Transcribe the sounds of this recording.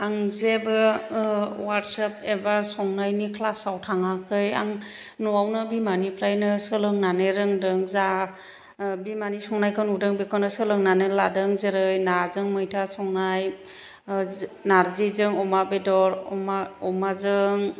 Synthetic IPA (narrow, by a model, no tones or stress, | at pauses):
aŋzebɯ | waɾtsapebasɔŋnajnikʰlasawtʰaŋakʰɯja̰ŋ | nuawnɯbimanipʰɾajnɯsɯlɯŋnaneɾɯŋdɯŋza | bimanisɔŋnajkʰɯnudɯŋbekʰɔnɯsɯlɯŋnaneladɯŋzeɾɯjnazɯŋmɯjtʰasɔŋnaj | naɾzizɯŋɔmabedɔɾɔmaɔmazɯŋ